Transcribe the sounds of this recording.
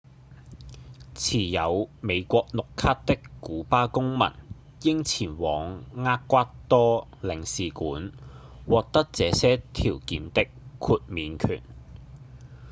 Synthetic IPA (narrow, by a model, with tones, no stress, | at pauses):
t͡sʰiː˨˩jɐ˨˧wme˨˧jkʷɔː˧k̚nʊ˨kʰaː˥t̚t̪ɪ˥kkːuː˨˥paː˥kʊ˥ŋmɐ̰˨˩n | jɪ˥ŋt͡sʰiː˨˩nwɔː˨˧ŋŋaː˥kkːʷaː˥t̚t̪ɔː˥lɪ˨˩ŋsiː˨kuː˨˥n | wɔː˨˧k̚t̪ɐ˥k̚t͡sɛː˨˧sɛː˥t̪ʰiː˨˩wkiː˨˥nt̪ɪ˥kʰuː˧t̚miː˨˧nkʰy̰ː˨˩n